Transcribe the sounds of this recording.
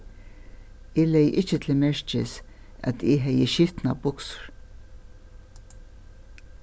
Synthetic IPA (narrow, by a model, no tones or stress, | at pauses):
elɛjʔɪt͡ʃːət̪ʰɪlmɛʂt͡ʃɪ̰s | æ̰t̪ʰɪɦɛjəʃɪft̪nabʊksʊ̥ɹ̥